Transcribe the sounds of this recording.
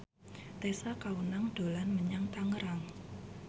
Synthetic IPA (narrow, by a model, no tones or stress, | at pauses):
t̪esakawənaŋɖ̥o̤lanməɲaŋt̪aŋəɾaŋ